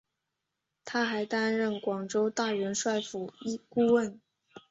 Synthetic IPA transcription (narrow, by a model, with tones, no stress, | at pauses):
t̪ʰa˥xa˧˥ɪt̪a˥nɻə˥˩nkwɑ˨˩ŋʈ͡ʂo˥ʊt̪a˥˩ɻə˧˥nʂwa˥˩ɪfu˨˩i˥ku˥˧wə˥˩n